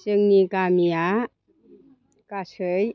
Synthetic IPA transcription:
t͡ʃɯŋnikamija | kasɯj

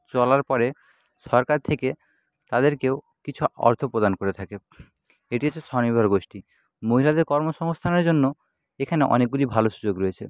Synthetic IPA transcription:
t͡ɕɔlaɾpɔɾe | ʃɔɾkaɾt̪ʰeke | t̪ad̪eɾkeo | kit͡ɕʰuɔ̰ɾt̪ʰopɾod̪ankoɾet̪ʰake | eʈiat͡ɕʰet͡ɕʰɔnibʱaɾɡoʃʈi | moɦilad̪eɾkɔɾmoʃɔŋst̪ʰaneɾd͡ʑonːo | ekʰaneʔɔ̰nek̚ɡulibʱaloʃud͡ʑoɡɾoet͡ɕʰḛ

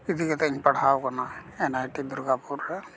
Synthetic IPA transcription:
id̪ʱikɛt̪ɛiɲpɐɽ̤ʱawkanaenajʈid̪uɾɡapuɾːɛ

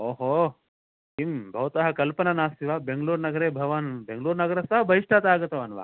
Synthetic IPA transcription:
oːɦo | imbʱɐʋɐt̪ɐɦɐkɐlpɐnɐnaːsiʋaːbeŋɡɐluːɾnɐɡɐɾeːbʱɐʋaːnbeŋɡluːɾnɐɡɐɾɐsɐɦɐbʱɐɦiʂʈʰaːt̪aːɡɐt̪ɐʋɐnʋa̰ː

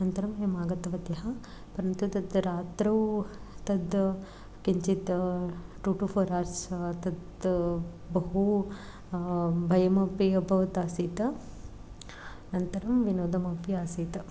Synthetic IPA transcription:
nɐnt̪ɐɾɐmemaːɡɐt̪ɐʋɐt̪jɐɦɐ | pɐɾɐnt̪ut̪ɐd̪ɾaːt̪ɾɐw | t̪ɐd̪ | kiɲt͡ʃit̪ʈuːʈupʰoːɾaːɾst̪ɐd̪ | bɐɦu | bʱɐjɐmɐpiɐbʱɐʋɐt̪aːsiːt̪ɐ | nɐnt̪ɐɾɐmʋinoːd̪ɐmɐpiaːsiːt̪ɐ

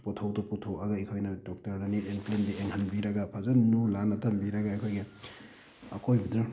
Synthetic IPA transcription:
pɔtʰowtuputʰuaɡaikʰojnɐdɔk̚tɐɾnaniɾenklendiʔeŋhʰanbiɾɐɡapʰazɐnnulanatʰambiɾɐɡaajkʰojɡe | ɐkʰojbidɾu

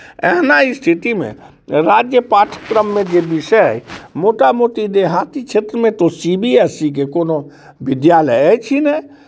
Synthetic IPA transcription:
ɛ̰ɦnaist̪ʰit̪imḛ̃ | ɾad͡ʒjəpaːʈʰə̥kɾəmːẽd͡ʒebɪʃɛmoʈamot̪id̪eɦat̪it͡ʃʰeːt̪ɾəmẽt̪osibiɛsik̬ekono | bɪd̪jaləjɛt͡ʃʰinɛ

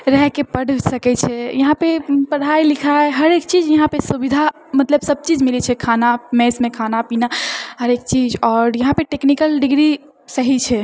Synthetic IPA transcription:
ɾɛɦkepəɽ̤ʱsəkɛt͡ʃʰɛjəɦãpepəɽ̤ailikʰaeɦəɾek̚t͡ʃid͡ʒjəɦãpesubid̪ʱa | mət̪ləbsəb̚t͡ʃid͡ʒmilɛt͡ʃʰɛkʰanamɛsmẽkʰanapinaɦəɾekt͡ʃid͡ʒɔːɾjəɦãpeʈeknikəlɖiɡɾi | səɦit͡ʃʰɛ

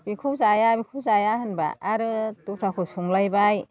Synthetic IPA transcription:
bikʰuzajabikʰuwzajahɯnba̰ːɾɯtupʰɾʰakʰɯsuŋlajbaj

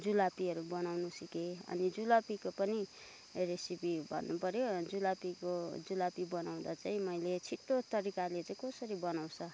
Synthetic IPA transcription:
d͡zulapiɦʌɾubʌnawnusikeʌ̰nid͡zulapikopʌni | resipibʱʌ̰nːupʌɾjod͡zulapikod͡zulapibʌnaw̃d̪at͡saĩmʌjlet͡sʰiʈːot̪ʌɾikalet͡saĩkʌsʌɾibʌnaw̃t͡sʰʌ

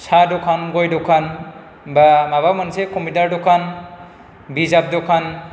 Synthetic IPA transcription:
sadɔkʰanɡɔjdɔkʰan | bamaβamansekɔmidaɾdɔkʰan | bizab̚dɔkʰan

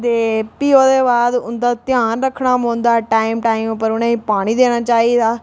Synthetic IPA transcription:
t̪eːpiːoːd̪eːbaːd̪ʊnd̪aːt̪ɪjaːnɾəkʰːɽ̃aːmõːnd̪aːʈaːimʈaːimpəɾʊnãːiːpaːɽ̃iːd̪eːɽ̃aːt͡ʃaːiːd̪aː

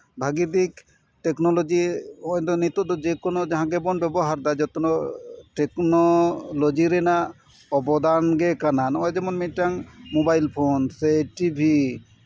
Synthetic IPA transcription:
bʱaɡid̪ik | ʈeknolod͡ʒiɔjd̪ɔnit̪ɔd̪ɔd͡ʒekonod͡ʒaɦãɡɛbɔnbɛbɔɦaɾd̪ajd͡ʒɔt̪ɔnɔʈeknolod͡ʒiɾɛna | ɔbɔd̪anɡɛkananɔjd͡ʒɛmɔnmiʈaŋmobajlpʰonseʈibʱi

